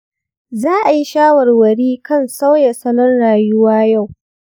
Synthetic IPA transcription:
zaː˦ʔa˨ji˦ʃaː˦wɐ˨rwɐ˨ɽiː˦kɐ˦˨nsa˦wja˨sɐ˦nɔ˦nɽaː˨jʊ˦waː˦ja˦˨w

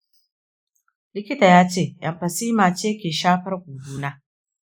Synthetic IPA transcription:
lɪ˦kʲɪ˦taː˨jaː˦t͡ʃeː˦˨ʔɐ˨mɸɐ˨siː˦maː˨t͡ʃeː˦kʲeː˨ʃaː˦ɸɐ˦rɡʷuː˨duː˦naː˦

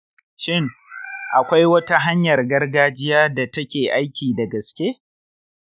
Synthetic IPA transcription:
ʃɪ˦ŋʔa˨kʷa˦jwɐ˦ta˦ɦa˦ɲjɐ˨rɡɐ˦rɡaː˦d͡ʒɪ˦jaː˦da˨tɐ˦kʲeː˨ʔa˦jkʲiː˨dɐ˨ɡɐ˨skʲe˦

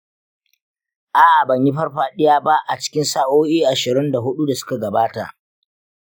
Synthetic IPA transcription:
ʔaː˨ʔbɐ˨ɲji˦ɸɐ˦rɸaː˦ɗɪ˦jaː˦ba˦ʔa˨t͡ʃɪ̥˦kʲɪ˦nsaː˦ʔoː˦ʔiː˦ʔa˨ʃɪ˨ɾɪ˦nda˨ɦʊ˦ɗu˦da˨sʊ̥˦ka˨ɡɐ˨baː˦ta̰˨ʔ

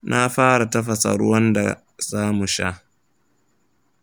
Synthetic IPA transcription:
nʔa˦ɸaː˦ɽa˨tɐ˦ɸɐ˨sɐ̰˨ɽʊ˦wɐ˦nda̰˨ | zaː˦mu˨ʃa̰˦ʔ

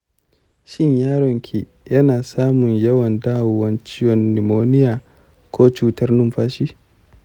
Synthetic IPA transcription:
ʃɪ˦ɲjaː˦ɽɔ˨ŋkʲʰi˨ | jɐ˦naː˨saː˦mʊ˨ɲjɐ˦wɐ˨ndaː˦wwɐ˦nt͡ʃɪ˦jɔ˨nːɪ˨moː˦nɪ˦jaː˨ | kʷʰoː˦t͡ʃuː˦tɐ˦rnʊ˦mɸaː˦ʃiː˦

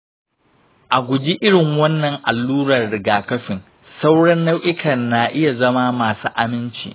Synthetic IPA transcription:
ʔa˨ɡʷʊ˨d͡ʒi˦ʔɪ˦ɽɪ˨ŋwɐ˦nːɐ˨ŋʔa˨lːuː˦ɽɐ˨rɽɪ˨ɡaː˨kɐ˦ɸɪ˨ŋ | sa˦wɽɐ˦nːɐ˦wʔɪ˦kʰɐ˨nːa˨ʔɪ˦ja˨zɐ˦maː˦maː˨sṵː˦ʔa˨mɪ˦nt͡ʃḭ˨ʔ

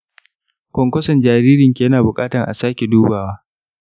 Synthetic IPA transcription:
kʷɔ˨ŋkʷɔ˦sɔ˨nd͡ʒaː˨ɾiː˦ɾɪ˨ŋkʲi˨jɐ˦naː˨bʊ˨kʼaː˦tɐ˨ʔa̰˨saː˦kʲe˨duː˦baː˨waː˦

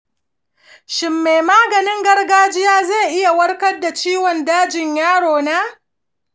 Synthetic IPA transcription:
ʃɪ˨mːe˨jmaː˦ɡɐ˨nɪ˦ŋɡɐ˦rɡaː˦d͡ʒɪ˦jaː˦za˦˨ʔɪ˦ja˨wɐ˦ɽkɐ˦rdːa˨t͡ʃiː˦wɔ˨ndaː˦d͡ʒɪ˨ɲjaː˦ɽoː˨naː˦

